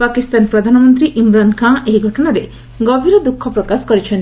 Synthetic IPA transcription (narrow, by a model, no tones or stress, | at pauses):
pakist̪anpɾɔd̪ʱanɔmɔnt̪ɾiʔimɾankʰãʔeɦiɡʱɔʈɔɽaɾe | ɡɔbʱiɾɔd̪ukʰːɔpɾɔkaskɔɾit͡ʃʰen